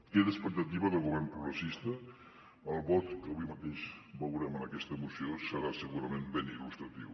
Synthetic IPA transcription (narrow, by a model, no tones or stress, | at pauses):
keðəspək̚t̪ət̪iβəðəlˠɣuβɛɾmpɾuɣɾəsist̪əː | lˠβɔt̪kəβujmət̪eʃbəwɾɛmənəkɛst̪əmusiosəɾasəɣuɾəmembenilust̪ɾət̪ḭw